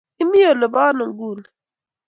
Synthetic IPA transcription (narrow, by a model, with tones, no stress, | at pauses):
i˦mi˦jo˨le˨baː˦no˨mɡuː˦n